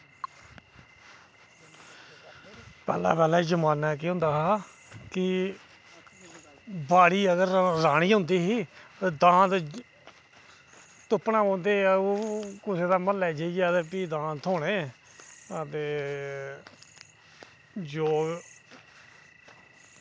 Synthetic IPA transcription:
pɛ̰ːla̰ːpɛːlaːd͡ʒəmaːnaːk̬iɦʊ̃ːnd̪aːɦaː | kɪ | baːɽiːəɡəɾɾaːɽ̃iːɦʊ̃ːnd̪iːɦiːd̪ãːt̪ | t̪ʊpnãːɔ̃ːnd̪eːoːkʊseːd̪aːməlɛːd͡ʒeid͡ʒat̪eːpiːd̪ãːt̪ʰoːɽ̃ẽː | ət̪eː | d͡ʒoː

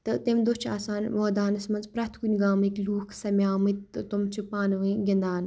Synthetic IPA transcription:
t̪ɨt̪emd̪ot͡ʃʰa̰ːsaːnʋoːd̪aːnɐsmɐnzpɾɐt̪ʰkunʲɡaːmɨkluːkʰsɐmʲjaːmɨt̪umt͡ʃʰupaːnɨʋɨɡʲɐnd̪aːn

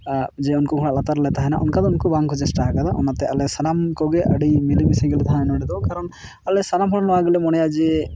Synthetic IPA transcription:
d͡ʒɛunkɔɡʱɔɽ̃aʔ̪at̪aɾlɛt̪aɦɛna̰ʔɔ̰nkad̪unkɔbaŋkɔd͡ʒɛsʈaakad̪aʔɔnat̪ɛalɛsanamkɔɡɛʔəɽimilibisɛɡɛlɛt̪aɦanɔɽɛd̪ɔwkaɾɔn | alɛsanamɦɔɽɔnɔaɡɛlɛmɔɽ̃ɛjad͡ʒɛ

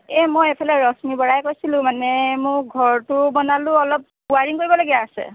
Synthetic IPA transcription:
ɛmɔjepʰalɛɹɔsmibɔɹajkojsilʊ̃manɛmʊɡʱɔɹtʊbɔnalʊ̃ɔlɔp̚ | uaɹiŋkoɹibɔloɡijaːsɛ̰

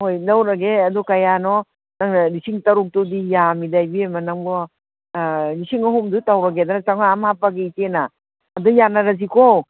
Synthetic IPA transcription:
hojnawɾɐɡeɐdukajanɔ | naŋnaɾisiŋtɐɾuk̚tudijamidajbiemɐnaŋbɔ | ɾisiŋaɦumdutawɾɐɡedanat͡ʃaŋaamhapaɡiitenaː | dujanaɾazikɔ

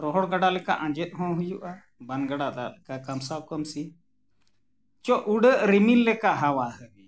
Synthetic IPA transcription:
ɾɔɦɔɽɡaɖalɛka̰ʔãd͡ʒɛt̪̚ˀɦɔ̃ɦujuʔa | banɡaɽad̪a̰lɛkakamsawkɔmsi | t͡ʃɔʔuɽəʔɾimilːɛkaʔɦawahəbi

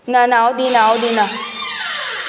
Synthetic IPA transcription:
nanawd̪inawd̪ina

